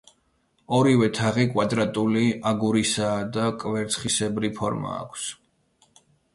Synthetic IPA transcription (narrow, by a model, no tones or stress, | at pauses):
ɔɾivɛt̪ʰaʁikʼwad̪ɾat̪ʼuliaɡuɾisaːd̪akʼvɛɾt̪sʰχisɛbɾipʰɔɾma̰ːkʷʰs